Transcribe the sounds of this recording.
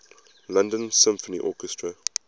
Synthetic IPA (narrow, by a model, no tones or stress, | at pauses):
lãndə̃nsɪ̃mfəniʔɔkɛstʰɹə